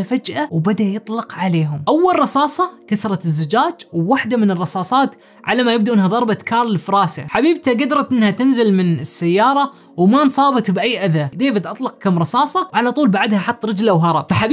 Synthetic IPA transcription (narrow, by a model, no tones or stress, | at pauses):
afad͡ʒʔawbad̪ajɨt̪ˤlɑqʕaleːɦʊmʔawːalrˤɑsɑːsˤɑkasɾˤɑt̪ɪzːʊd͡ʒaːd͡ʒwːaħd̪amɪnɨrˤːɑsɑːsˤɑːt̪ | ʕa̰lamajɪb̚d̪aʔɪnhaðˤɑɾˤbat̪kʰɑːɾˤlɪfɾˤɑːsa̰ħabiːb̚t̪aɡad̪ɾˤɑt̪ʔɪnːhat̪ɪnzɪlmɪnɪsːajːɑːɾˤɑ | wmansˤɑːbɪt̪bʔajːʔaðad̪eːfad̪ʔɑt̪ˤlɑq̚kamːɾˤɑsɑːsˤɑwʕalat̪ˤuːlbaʕad̪haħɑt̪ˤːɾɪd͡ʒlawɦɑɾˤɑbfaħab